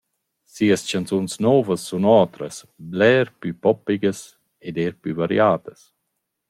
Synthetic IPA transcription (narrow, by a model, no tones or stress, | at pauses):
siəst͡ʃant͡sunsnɔːvəsːunɔːt̪ɾəs | blɛːɾpypɔpːiɡəs | ed̪eːɾpyvaɾj̰aːt̪əs